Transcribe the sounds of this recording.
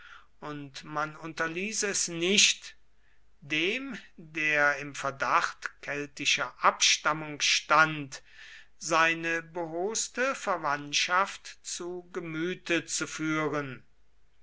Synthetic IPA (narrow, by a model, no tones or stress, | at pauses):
ʔʊntmanʊntɐliːsəɛsnɪʃt | deːmdeːɐɪmfɛɐdaχtkʰɛltɪʃɐʔapʃtamʊŋʃtant | z̥aɪnəbəɦoːstəfɛɐvantʃaftt͡suɡəmyːtət͡sufyːʁən